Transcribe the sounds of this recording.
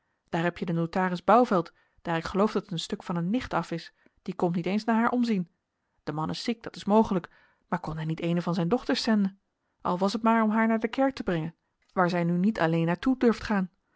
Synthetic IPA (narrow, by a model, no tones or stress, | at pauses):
d̥aːɹɦɛpjədənowtaːrɪzbɑwvɛlˠt | d̥aːɹɪkχəlowfdɑtətənstɵkfɑnənːɪχtɑfɪs | d̥ikɔmtnitejnsnaːɹɦaːɹʔɔmzin | d̥əmɑnʔɪsik̚d̥ɑtɪ̥smowχələk | maːɹkɔnɦɛnitejnəvɑnzɛjndɔχtəɹsɛndən | ʔɑ̰lˠʋɑsətmaːɹɔmɦaːɹnaːɹdəkɛɹk̚təbrɛŋən | ʋaːɹzɛjnynitʰɑlejnːaːɹtudɵɹftχaːn